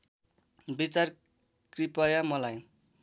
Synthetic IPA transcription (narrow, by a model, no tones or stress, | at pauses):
bit͡sar | kripʌjamʌlaj